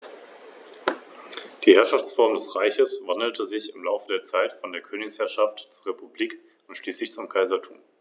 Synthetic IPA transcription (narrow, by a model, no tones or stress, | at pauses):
d̥iːhɛɐʃaft͡sfɔɐmdɛsʁaɪçəsv̥andl̩tʰəzɪçɪmlaʊfədeːɐt͡saɪtfɔndeːɐkʰøːnɪçshɛɐʃaftt͡suɐʁepubliːk | ʊntʃliːslɪçt͡sʊmkʰaɪzɐtʰṵːm